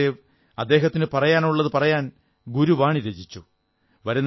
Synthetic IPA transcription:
e | ɐd̪ːe̞ːɦɐt̪ːinɨpɐrɐjaːnuɭːɐðɨpɐrɐjaːn | ɡuɾuʋaːɳiɾed͡ʑit͡ɕːu | ʋɐɾunː

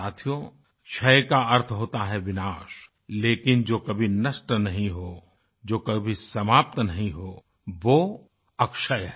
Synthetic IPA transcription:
aːt̪ʰijõ | ʃɐjkaɐɾt̪ʰɦoːt̪aɦɛʋɪnaːʃ | leːkɪnd͡ʒoːkɐbʱinɐsʈnɐɦĩɦoː | d͡ʒoːkɐbʱisɐmaːp̚t̪nɐɦĩɦoː | ʋo | ɐkʃəjɦɛ

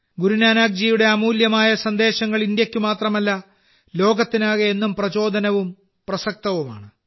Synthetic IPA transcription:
ɡuɾunaːnaːɡ̚d͡ʑiːjuɽe̞ɐmuːljɐmaːjɐsɐnd̪e̞ːɕɐŋːɐɭind̪jɐkʲːumaːt̪rɐmɐlːɐ | lo̞ːɡɐt̪ːinaːɣɐe̞nːumprɐt͡ɕo̞ːd̪ʱɐnɐʋum | prɐsɐk̚t̪ɐʋuma̰ːɳɨ

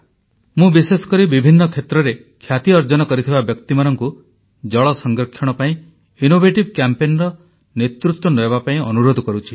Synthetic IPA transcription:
mũbisesɔ̥kɔɾibibʱinːɔkʰet̪ɾɔɾe | kʰjat̪iɔɾd͡ʒɔnɔkɔɾit̪ʰibabjɔkt̪imaɾɔŋku | d͡ʒɔɭɔsɔŋɡɾɔkʰːjɔɽ̃ɔpaĩ | inobʱeʈibkjampenɾɔ | net̪ɾut̪wɔnojbapaĩɔnuɾod̪ʱɔkɔɾut͡ʃʰi̥

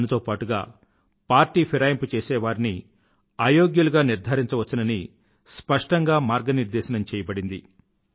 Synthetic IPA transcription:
nut̪o̞ːpaːʈuɡaː | paːɾʈːiːpʰiɾaːjɐmput͡ʃeːsɛːʋaːɾini | aːjo̞ːɡjuluɡaːniɾd̪ʱɐɾiɲt͡ʃɐʋɐt͡ʃːɐnɐni | spɐʂʈɐŋɡaːmaːɾɡɐniɾd̪ɛːʃɐnɐmt͡ʃɛːjɐbɐɽind̪ḭ

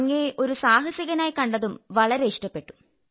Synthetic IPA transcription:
ŋːɐʔo̞ɾusaːɦɐsjɐɣɐnaːjkɐɳɖɐðumʋɐɭɐɾe̞iʂʈɐpːe̞ʈːu̥

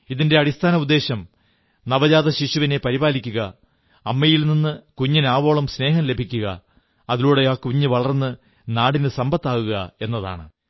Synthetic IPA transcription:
iðinde̞ɐɽist̪ʰaːnɐud̪ːe̞ːɕɐm | nɐʋɐd͡ʑaːðɐɕiɕuʋine̞pɐɾibaːlikʲːuɣɐ | ɐmːɐjilninːɨkuɲːinaːʋo̞ːɭɐmsne̞ːɦɐmle̞bʱikʲːuɣɐ̰ | ɐðiluːɽe̞aːkuɲːɨʋɐɭɐrnːɨ | naːɽinɨsɐmbɐt̪ːaːɣuɣɐe̞nːɐða̰ːɳɨ

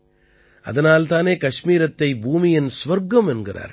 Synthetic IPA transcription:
ɐ̰ðɐnaːlt̪aːneːkɐʂmiːɾɐt̪ːɐɪbʱuːmɪjɪnsʋɐɾɡɐmɛnɡɪra̰ːɾ

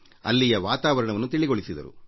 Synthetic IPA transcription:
ɐ̰lːijɐʋaːt̪aːʋɐɾɐɳɐʋɐnːut̪iɭiɡoɭisid̪ɐ̰ɾṵ

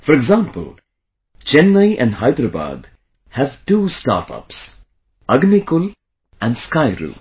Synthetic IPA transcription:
fɔɾeɡzãːmpə̰l | t͡ʃɛ̃nːaɪʔæ̰̃nɖhaɪd̪ɾəba̰ːd̪ | hæʋʈuːsʈa̰ːʈʰʌ̰ps | ʌɡnikʊl | æ̃ɳɖskaɪɾṵː

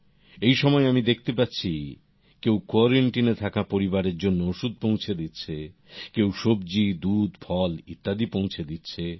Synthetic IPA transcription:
ejʃɔmɔeamid̪ek̚ʰt̪epatːɕʰi | kewkɔɾeɳʈinet̪ʰakapoɾibaɾeɾd͡ʑonːooʃud̪̚põwt͡ɕʰed̪itːɕʰe | kewʃobd͡ʑid̪ud̪fʰɔlit̪ːad̪ipõwt͡ɕʰed̪itːɕʰe

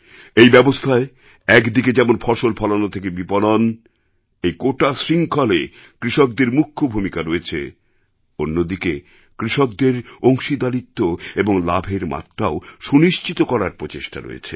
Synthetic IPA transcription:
ejbɛbost̪ʰae | ɛkd̪iked͡ʑɛmonfʰɔʃolpʰɔlanot̪ʰekebipɔlon | ejkoʈasɾiŋkʰɔle | kɾiʃok̚d̪eɾmukʰːobʱumikaɾoet͡ɕʰḛ | onːod̪ike | kɾiʃok̚d̪eɾoŋʃid̪alit̪ːoeboŋla̰bʱeɾma̰t̪ːɾaoʃuniʃt͡ɕit̪okɔɾaɾpɾot͡ɕeʃʈa̰ɾo̰jḛt͡ɕʰe

